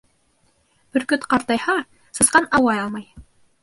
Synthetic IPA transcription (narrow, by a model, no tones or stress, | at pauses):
bɵ̆ɾkɵt̪qɑɾt̪ɑjhɑ | sɤ̆sqɑnɑwɑjɑlˠmɑj